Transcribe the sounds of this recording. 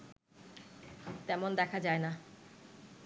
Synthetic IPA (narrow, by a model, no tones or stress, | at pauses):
t̪ɛmond̪ɛkʰad͡ʑaena